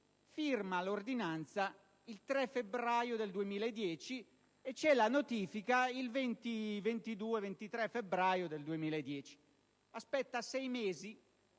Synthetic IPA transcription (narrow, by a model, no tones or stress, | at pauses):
firmalord̪inant̪sa | ilt̪ɾɛfebɾaːjod̪eld̪uemiːled̪ːjɛːt͡ʃi | ɛt͡ʃːɛlanot̪iːfikailvent̪ivent̪id̪uːevent̪it̪ɾɛfebɾajod̪eld̪uemiːlaed̪ːjɛːt͡ʃi̥ | aspɛt̪ːasɛjmeːzi